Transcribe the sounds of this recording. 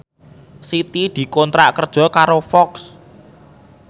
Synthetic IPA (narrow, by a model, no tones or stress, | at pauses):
sit̪id̪̥i̤kɔnt̪ɾaʔkərd̥ʒ̥ɔ̤kaɾofɔks